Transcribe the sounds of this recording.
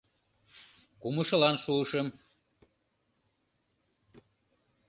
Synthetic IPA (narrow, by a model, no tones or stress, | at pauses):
kuməʃə̆lɑnʃuɤʃə̆m